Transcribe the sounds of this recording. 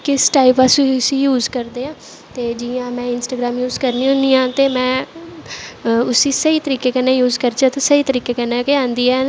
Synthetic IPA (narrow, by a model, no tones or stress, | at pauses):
kɪsʈaːipasĩsĩːjuːzkəɾd̪eːãː | t̪eːd͡ʒɪãːmɛ̃ːɪnsʈaːɡɾaːmjuːzkəɾniːɦõːnd̪iːãːt̪eːmɛ̃ː | ʊsiːsəiːt̪əɾiːkeːkɛːnãːjuːzkəɾt͡ʃãt̪esəiːt̪əɾiːkeːkɛːnaːkeãːnd̪iːɛː